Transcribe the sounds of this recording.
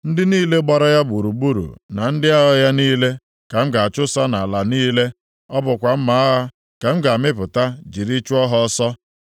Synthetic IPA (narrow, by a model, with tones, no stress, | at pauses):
n̩˦dɪ˦niː˦le˦ɡ͡ba˨ɾɔ˦ja˦bu˨ɾu˨bu˦ɾṵ˨na˨n̩˦dɪ˦a˦ɦɔ˦ja˦niː˦le˦ | ka˨m̩˦ɡa˨a˨t͡ʃʊ˦sa˦na˨la˨niː˦le˦ | ɔ˦bʊ˨kʷa˨m̩˦ma˨˦a˦ɦa˦ | ke˨m̩˦ɡa˨mɪ˦pʊ˨ta˦d͡ʒi˨ɾi˦t͡ʃu˦ɔ˦ɦɔ˦sɔ˦